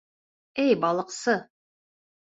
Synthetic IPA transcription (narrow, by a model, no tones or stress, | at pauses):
ejbɑlˠəqsɤ